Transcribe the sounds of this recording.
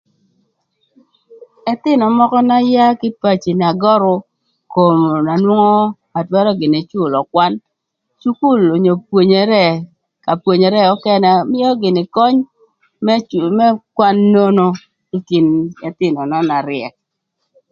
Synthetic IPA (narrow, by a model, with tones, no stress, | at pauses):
ɛ˦t̪ɪ˦nɔ˨mɔ˦kɔ˦na˦ja˦kɪ˦pa˦t͡ʃi˨n˨a˨ɡɔ˦ɾʊ˦ | ko˨m˨na˨nwʊ˦ŋɔ˦ | a˨twɛ˦ɾɔ˦ɡɪ˨ne˨t͡ʃʊ˦lɔ˨kwa˦n | t͡ʃu˦ku˦˨lo˨ɲo˨pwo˨ɲe˨ɾɛ˦˨ | ka˨pwo˨ɲe˨ɾɛ˦ɔ˦kɛ˦nɛ˦mɪ˦jɔ˦ɡɪ˨nɪ˨kɔ˦ɲ | mɛ˦kwa˦nːo˦no˦ | i˦kɪ˨nɛ˦t̪ɪ˦nɔ˨nɔ˦na˨ɾɪɛ˨k̚